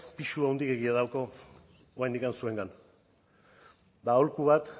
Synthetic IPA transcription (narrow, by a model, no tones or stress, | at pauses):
piʃuawnd̪ike̞ɣiaðawko̞ | oajnd̪ikansue̞ŋɡan | d̪aolkuβat̪